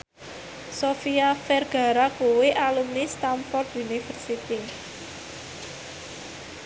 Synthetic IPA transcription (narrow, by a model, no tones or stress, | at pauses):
sofiafɛrɡ̥a̤ɾakuwɪʔalumnist̪amfɔrt̪unifərsit̪i